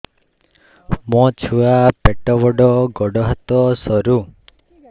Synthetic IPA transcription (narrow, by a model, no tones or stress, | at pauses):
mɔ̃t͡ʃʰuapeʈɔbɔɖɔɡɔɖɔɦat̪ɔsɔɾu